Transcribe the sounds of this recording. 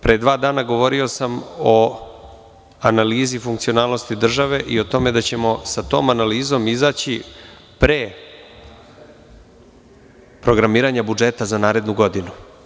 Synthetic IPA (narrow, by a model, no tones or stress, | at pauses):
pɾed̪ʋaːd̪aːnaɡo̞ʋo̞ɾio̞samo̞ | analiːzifuŋkt̪sio̞naːlˠno̞st̪id̪r̩ʒaʋe̞ʔio̞t̪o̞me̞d̪at͡ɕe̞mo̞sat̪o̞ːmanaliːzo̞mizaːt͡ɕi | pɾe | pɾo̞ɡɾamiːɾaɲabud͡ʒe̞t̪azanaːɾe̞d̪nuɡo̞d̪inu